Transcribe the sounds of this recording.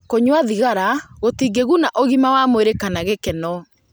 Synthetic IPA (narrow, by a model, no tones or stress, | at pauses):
koɲwaðiɣaɾaɣotiːɡeɣunaʔoɣimawamoeɾekanaɣekɛnɔ